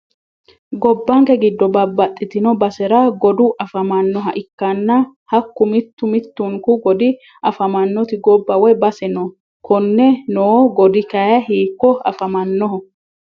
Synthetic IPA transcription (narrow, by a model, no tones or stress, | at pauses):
ɡɔbːɐŋkɛɡɪd̪ːɔbɐbːɐt̪ʼːɪt̪ɪnɔbɐsɛɾɐɡɔd̪ʊʔɐfɐmɐnːɔɦɐʔɪkːɐnːɐhɐkːʊmɪt̪ːʊmɪt̪ːʊŋkʊɡɔd̪ɪ | ʔɐfɐmɐnːɔt̪ɪɡɔbːɐwɛjbɐsɛnɔ | kʰɔnːɛnoːɡɔd̪ɪkɐjɐhiːkːɔɐ̰fɐmɐnːɔɦɔ